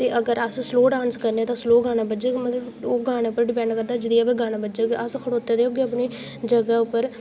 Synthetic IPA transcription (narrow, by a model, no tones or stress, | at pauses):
t̪eːʔəɡəɾəssloːɖaːnskəɾneːt̪ãːsloːɡaːɽ̃aːbəd͡ʒekmət̪ləboːɡaːɽ̃aːʊpːəɾɖɪpɛ̃ːɳɖkəɾd̪aːd͡ʒɪd̪iːaːpeɡaːɽ̃aːbəd͡ʒeɡʔəskʰəɽoːt̪ːeːd̪eːoːɡeəp̬niː | d͡ʒəɡaːʊpːəɾ